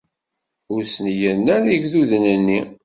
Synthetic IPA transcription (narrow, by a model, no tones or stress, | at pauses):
ʊɾsnjənːæniʝðuðənənːi